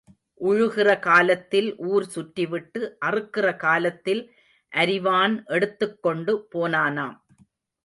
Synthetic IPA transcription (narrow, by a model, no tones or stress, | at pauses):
ʔʊɻʊɣɪrɐkaːlɐt̪ːɪlʔuːɾsʊʈːɪʋɪʈːɯʔɐrɯkːɪrɐkaːlɐt̪ːɪl | ʔɐɾɪʋaːnʔɛɽɯt̪ːɯkːɔɳɖɯpoːnaːnaːm